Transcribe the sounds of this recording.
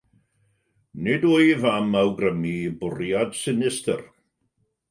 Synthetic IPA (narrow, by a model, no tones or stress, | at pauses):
nɪdʊjvamawɡrəmibʊrjad̥sɪnɪstʰə̰r